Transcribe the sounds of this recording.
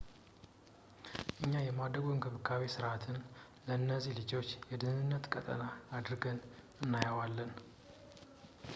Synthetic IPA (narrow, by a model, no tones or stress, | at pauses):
ʔɨɲːajɛmad̪ɾəɡoŋɡʰəβɨkʰaβisɨɾat̪ʰɨn | ləɨnːəzːihlɨd͡ʒo̞t͡ʃːjɛd̪ɨnɨnːət̪kʼət̪ʼə̰naːd̪ɾɨɡən | ɨnːajəwalːən